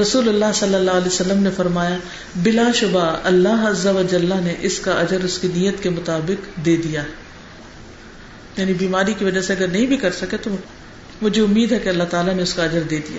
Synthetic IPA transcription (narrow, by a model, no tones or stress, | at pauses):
ɾɐsuːlɐlːaɦsɐlːəlːaːlesɐlːəmnefɐɾmaːja | bɪlaʃʊbaɐlːaɦɐzːəʋəd͡ʒəlːaneʔɪskaʔɐd͡ʒəɾʊskinijət̪kemʊt̪aːbɪkd̪eːd̪ijaːɦɛ | jaːnibiːmaːɾikiʋɐd͡ʒaseɐɡəɾnɐɦĩbʱikɐɾsɐket̪o | mʊd͡ʒʱeʊmːiːd̪ɦɛkeɐlːaɦt̪aːlaneʊskaɐd͡ʒəɾd̪eːd̪ija̰ː